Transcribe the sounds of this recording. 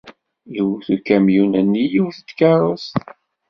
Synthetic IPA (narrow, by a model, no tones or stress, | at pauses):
jəwθukːæmjunænːijuwθd̪kɑɾˤos